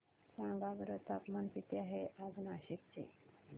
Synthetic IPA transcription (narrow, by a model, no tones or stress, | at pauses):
sãŋɡabɾət̪apmanpit̪iaɦeʔad͡znaɕikt͡ɕḛ